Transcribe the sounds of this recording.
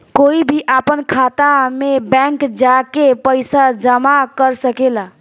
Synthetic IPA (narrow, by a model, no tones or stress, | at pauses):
koibʱiʔapənkʰat̪amebɛ̃ŋkd͡ʒakepəjsad͡ʒəmakəɾsəkela